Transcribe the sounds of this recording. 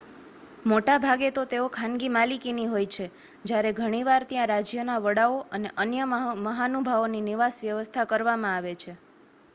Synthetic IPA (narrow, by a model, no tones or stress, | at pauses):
moʈabʱaɡet̪ot̪eokʰãnɡimalikiniɦojt͡ʃʰe | d͡ʒjaɾeɡʱəɽ̃iʋaɾt̪jãɾad͡ʒjənaʋəɽaoəneʔənjəməɦanubʱaʋoniniʋasʋjəʋəst̪ʰakəɾʋamãaʋet͡ʃʰe